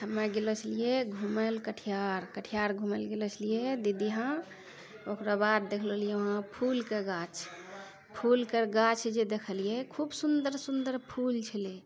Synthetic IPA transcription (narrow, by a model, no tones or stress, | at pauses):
həmːɛɡelɔt͡ʃʰlijeɡʱumelkəʈʰijaɾkəʈʰijaɾɡʱuməlɡelɔt͡ʃʰəlijed̪id̪iɦã | okɾabad̪̚d̪ekʰlolijɛʋəɦãpʰulkeɡat͡ʃʰ | pʰulkəɾɡat͡ʃʰd͡ʒed̪ekʰəlijekʰubsund̪əɾsund̪əɾpʰult͡ʃʰəle